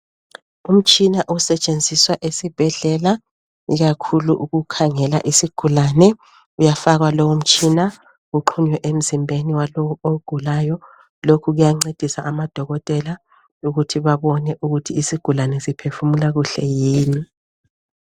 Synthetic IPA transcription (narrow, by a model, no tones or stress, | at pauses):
um̩t͡ʃʼinaʔusɛt͡ʃʼend͡zʱiswaʔesib̥ʱɛɮɛla | iɣakʰuluʔuɣukʰaŋɛla̰ʔisiɡ̥ʱulanɛ | ujafaɣwalowum̩t͡ʃʼina | ɣuǃʰuɲwɛʔem̩zimbʱeniwalowuoɡ̥ʱulajɔ | lokʰuɣujaŋ͡ǀed̥ʱisaʔːmad̥ʱɔɣɔtʼɛla | uɣutʰiβaβɔnɛʔuɣutʰiːsiɡ̥ʱulanɛsipʰefumulaɣuɬɛjiːni